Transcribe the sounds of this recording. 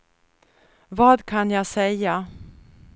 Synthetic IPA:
vɑːd̪kʰanjɑːsɛjːa

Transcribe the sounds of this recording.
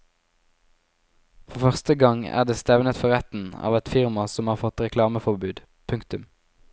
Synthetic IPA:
fɔfœʁst̪əɡɑŋæ̰ːʁd̪eːst̪ɛʋnət̪fɔʁɛt̪n̩ɑ̰ːʋɛt̪fɪʁmɑsɔmhɑːʁfɔt̪ʁɛkʰlɑːməfɔbʉːd̪ | pʰʉŋkt̪ʉm

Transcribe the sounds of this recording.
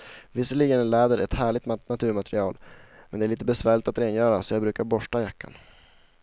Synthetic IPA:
vɪsːəɭiːɡənlɛːd̪əɾɛt̪hæːɭɪɡ̚t̪nat̪ʰʉ̟ːɾmat̪ɾɪɑːlmɛnd̪ɛæɭiːt̪əbɛsvæːɭɪt̪at̪ɾeːnjœːɾasɔjɑːɡbɾʉ̟ːkaɾbɔʂʈajakːa̰n

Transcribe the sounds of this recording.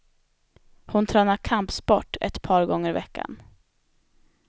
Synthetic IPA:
hʊnt̪ʰɾœːnakʰampsbɔʈːɛ̰t̪pʰɑːɾɡɔŋːəɾɪvɛkːa̰n

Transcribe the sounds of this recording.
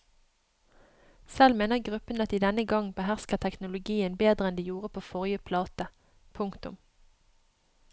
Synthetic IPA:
sɛlmeːnəʁɡʁʉpənɑt̪d̪iːd̪ɛnəɡɑŋbəhæʁskəʁt̪ʰɛknʊlʊɡiːənbeːd̪ʁəɛnd̪iːjuːʁəpʰoːfɔʁɪəpʰlɑːt̪ə | pʰʊŋkt̪ʊ̰m

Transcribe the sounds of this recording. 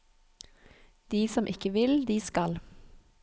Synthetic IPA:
d̪̥iːsɔmʔɪkəʋɪld̪iːskɑl

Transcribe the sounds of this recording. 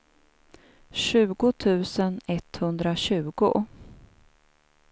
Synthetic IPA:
ɕʉ̟ːɡʊt̪ʰʉ̟ːsənɛt̪hɵnd̪ɾaɕʉ̟ːɡʊ̰

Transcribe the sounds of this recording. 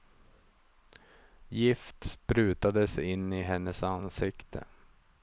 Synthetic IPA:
jɪft̪spɾʉ̟ːt̪ad̪əsɪnːɪɦɛnːəsansɪkt̪ʰə̰

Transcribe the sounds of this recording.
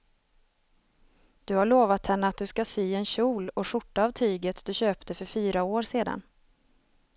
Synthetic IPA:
d̪̥ɵhaɭoːvat̪hɛnːəat̪̚d̪ɵskasyːɛnɕuːlɔʂʊʈːaːvt̪ʰyːɡət̪d̪ɵɕøːpt̪əfœɾfyːɾaoːɾseːd̪a̰n

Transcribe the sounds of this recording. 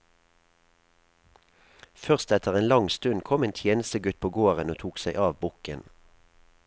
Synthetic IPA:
fœʁst̪ɛt̪ʰəʁeːnlɑŋst̪ʉnkʰɔmeːnt̪ʰjeːnəst̪əɡʉt̪̚pʰoːɡoːʁənoːt̪ʰuːksæɪʔɑːʋbʊkən

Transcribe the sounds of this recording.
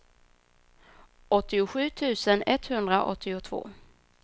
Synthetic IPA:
ɔt̪ːɪʊɧʉ̟ːt̪ʰʉ̟ːsənɛt̪hɵnd̪ɾaʔɔ̰t̪ːɪʊt̪ʰvo̰ː

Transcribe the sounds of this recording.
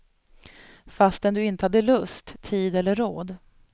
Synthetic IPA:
fast̪ɛnd̪ɵɪnt̪əhad̪ːəlɵst̪ʰːiːd̪ɛlːəɾːoːd̪

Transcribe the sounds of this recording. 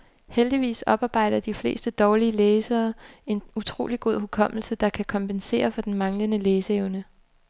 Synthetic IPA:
held̥iʋḭːsɒ̽b̥ɑ̈ːb̥ɑ̈ɪ̰ɾ̥ɐd̥ifle̝̰ːsd̥əd̥ɒːliəleːsɐːe̝nut͡sʰʁo̝̰ːliɡ̥o̝ð̞̰ˠɦukʰɒ̽m̰l̩səd̥ɑ̈kʰækʰɒ̽mpʰense̝̰ːɐfɒ̽d̥enmɑ̈ŋlənəleːsəeʊnə

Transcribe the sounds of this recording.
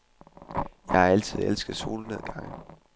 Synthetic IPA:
jɑ̈ɪhɑ̈æl̰t͡sʰið̞̰ˠelsɡ̥ð̩ˠso̝ːləneð̰ˠɡ̥ɑ̈ŋ̰

